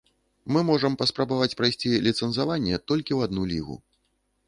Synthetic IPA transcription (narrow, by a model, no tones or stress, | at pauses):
mɨmɔʐɐmpɐspɾabavat͡sʲpɾajsʲt͡sʲilʲit̪sɛnsavanʲːɛt̪ɔlʲkʲiwad̪nulʲiɣṵ